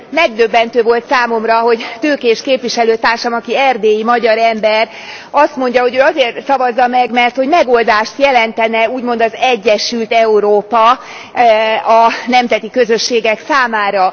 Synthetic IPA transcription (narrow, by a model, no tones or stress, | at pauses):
mɛɡd̪øbːɛn̪t̪øːvo̞lt̪saːmo̞mrɒɦo̞ɟt̪øːkeːʃkeːpviʃɛløːt̪aːrʃɒmɒkiɛrd̪eːjimɒɟɒɾɛmbɛr | ɒst̪mo̞ɲɟɒɦo̞ɟøːɒzeːrt̪sɒvɒzːɒmɛɡmɛrt̪ho̞ɟmɛɡo̞ld̪aːʃt̪jɛlɛnt̪ɛnɛuːɟmo̞nd̪ɒzɛɟːɛʃylt̪ɛuɾoːpɒ | ɒnɛmzɛt̪ikø̞zøʃːeːɡɛksaːmaːɾɒ